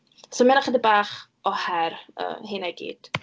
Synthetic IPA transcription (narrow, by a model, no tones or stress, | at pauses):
somɪnaχəd̪əbaːχ | ɔhɛɾə̰ːhɪnaɡḭːd̥